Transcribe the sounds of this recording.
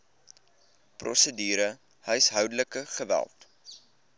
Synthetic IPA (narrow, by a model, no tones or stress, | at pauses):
prɔ̰sədiːɾə | həjsɦœwdələkəχəvæ̰lˠt